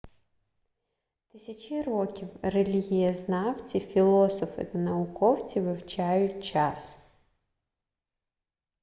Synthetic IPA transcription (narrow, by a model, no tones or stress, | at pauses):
t̪ɪsʲɐt͡ʃʲirɔkʲiwrelʲiɦʲijɐznɑwt͡sʲifʲilˠɔsɔfɪ̰t̪ɐnɐʊkɔwt͡sʲiʋɪwt͡ʃɑjʊtʲt͡ʃɑs